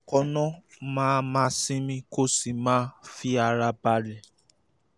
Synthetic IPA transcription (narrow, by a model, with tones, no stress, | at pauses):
kɔ˧nɔ̃˦mãː˦mãː˦sĩ˦mĩ˦ko˦si˨mãː˦fi˦a˧ɾa˧ba˧lɛ˨